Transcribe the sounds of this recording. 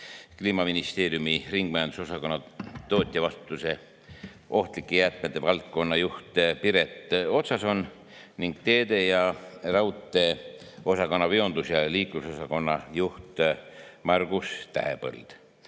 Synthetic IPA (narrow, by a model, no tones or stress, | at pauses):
kliːmɑminist̪e̞ːɾjumiriŋɡ̥̚mæjɑnd̪uso̞sɑko̞nːɑt̪o̞ːt̪ʲːˑiɑvɑst̪u̥t̪ːˑuse̞ | ʔo̞ht̪likːˑejæt̪̚met̪ːevɑlt̪̚ko̞nːɑjuht̪ˑpiɾe̞t̪ːˑo̞t̪sɑso̞n | niŋɡ̥t̪e̞ːd̪e̞jɑrɑwt̪ːˑe̞ | o̞sɑko̞nːɑveo̞nd̪̥usjɑliːkluso̞sɑko̞nːɑjuht̪mɑrɡ̥ust̪æ̰ɦḛpɤ̰ld̪̥